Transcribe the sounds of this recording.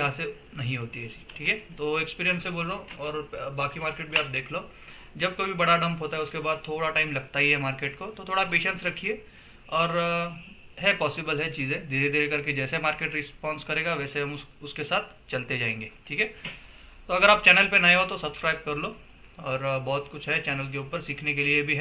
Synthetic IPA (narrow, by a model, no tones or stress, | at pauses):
jɐɦãse | nɐɦĩɦoːt̪iɦɛːsi̥ʈʰiːkɛt̪oːekspiːɾijə̃nseboːlɾoɔːɾbaːkimaːɾkeːʈ̚bʱiaːp̚d̪eːkʰloː | d͡ʒɐb̚kobʱibɐɽaɖɐ̃mpɦoːt̪aɦɛʊskebaːd̪̚t̪ʰoːɽaʈaːɪmlɐɡt̪aɦiɦɛmaːɾkeːʈkot̪ot̪ʰoːɽapeːʃə̃nsɾɐkʰie | ɔːɾ | ɦɛpɔːsɪbəlɦɛt͡ʃiːzẽd̪iːɾed̪eːɾkɐɾked͡ʒɛːsemaːɾkeːʈɾɪspɔ̃ːnskɐɾeːɡaʋɛːseɦɐmʊskesaːt̪̚ʰ | t͡ʃɐlt̪ed͡ʒaːẽːŋɡeːʈʰiːkʰɛː | t̪oɐɡəɾaːp̚t͡ʃɛːnəlpenɐeɦot̪osɐbskɾaːɪb̚kɐɾlo | ɔːɾbɔːt̪kʊt͡ʃʰɦɛt͡ʃɛːnəlk̬euːpəɾsiːkʰnekeliebʱiɦɛ